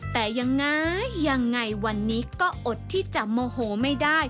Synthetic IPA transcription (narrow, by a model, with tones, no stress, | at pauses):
t̪ɛː˨˩ja˧ŋːa˦˥jːa˧ŋːa˧jwa˧nːiː˦˥kɔː˥˩ʔo˨˩t̪̚ʰːiː˥˩t͡ɕa˨˩ʔmoː˧hoː˩˦ma˥˩jdaː˥˩j